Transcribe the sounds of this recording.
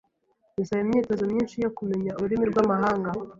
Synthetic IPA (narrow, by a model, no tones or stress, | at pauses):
jisaβemɲiːto̞zomɲiːnʃijo̞kume̞ɲauuɾimiɾɡwamaɦaːŋɡa